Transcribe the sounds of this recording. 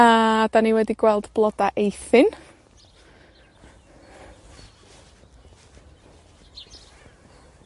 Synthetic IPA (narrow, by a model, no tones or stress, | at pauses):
ad̥aniwɛdiɡwɛlˠd̥blˠɔdaʔejθɪn